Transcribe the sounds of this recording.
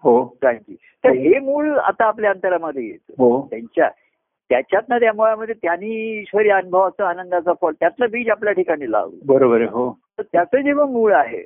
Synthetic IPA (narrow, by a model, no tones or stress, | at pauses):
ɦoʈʰaŋkjṵː | t̪əɾɦemuːɭa̰t̪aːpljaənt̪əɾaməd̪ʱːjejḛt̪əɦot̪jaɲt͡ɕja̰ | t̪jat͡ɕjat̪nat̪̬jamuɭaməd̪ʱːjet̪janiːɕʋəɾjənubʱəʋat͡səanənd̪at͡safɔlt̪jat̪labiːd͡ʑapljaʈʰikaɽ̃iːla̰ʋṵːbəɾobəɾeɦot̪əɾt̪jat͡səd͡ʑeʋəmuːɭaɦḛ